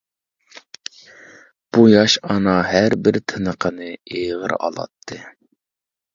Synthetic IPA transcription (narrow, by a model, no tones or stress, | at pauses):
b̥ujɑʃɑnɑɦæɾbɪɾt̪ʰɨnəqʰənɨeʁə̰ɾɑ̰lˠɑ̰t̪ʰːɨ